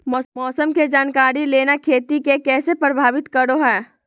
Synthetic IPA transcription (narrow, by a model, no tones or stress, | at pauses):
mɔmɔːsəmked͡ʒaːnkaːɾileːnakʰeːt̪ikekɛːsepɾəbʱaːʋɪt̪kəɾoɦɛː